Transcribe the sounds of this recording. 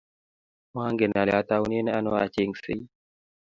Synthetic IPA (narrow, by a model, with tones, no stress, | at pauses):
ma˦ŋɡɛ˨na˨lja˦t̪a˦wu˦ni˦nɛ˦a˦nɔ˦a˨t͡ʃi˦ŋsi˦